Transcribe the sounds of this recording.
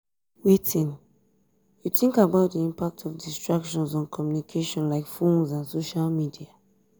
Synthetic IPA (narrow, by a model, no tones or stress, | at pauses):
witʰĩn | juθĩŋkabaʊt̚diĩmpak̚tʰɔfdistɹakʃɔ̃nzɔ̃nkʰɔmjunikʰeʃɔ̃nlaɪkfĩmzãnsoʃalmidia